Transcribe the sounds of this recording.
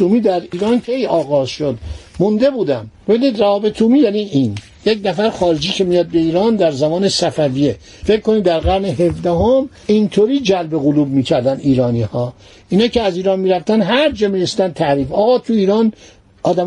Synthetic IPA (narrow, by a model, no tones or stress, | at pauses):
umiːd̪æɾiːɾɑːnkʰe̞jɒːɣɒːzʃod̪mund̪e̞buːd̪æmbe̞biniːd̪ræɒːbet̪ʰuːmiːjæniːʔin | jecnæfæɾxɒːɾed͡ʒiːkʰemijɒd̪̚be̞iːɾɒːnd̪æɾzæmɒːne̞sæfæviːje | feckːoniːd̪d̪æɾɣæɾneɦe̞fd̪æɦom | int̪ʰoːɾiːd͡ʒælbe̞ɣoluːb̚miːcʰæɾd̪æniːɾɒːniːhɒː | ʔinɑːceæziːɾɒːnmiːɾæft̪ænɦæɾd͡ʒɒːmiːɾesiːd̪ænt̪ʰæɾiːfɒːɣɒːt̪ʰuiːɾɒːn | ɒːd̪æm